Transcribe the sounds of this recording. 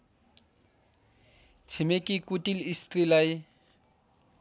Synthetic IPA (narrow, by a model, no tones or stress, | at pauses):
t͡sʰɪmekʼikʼutʼilistʼilaɪ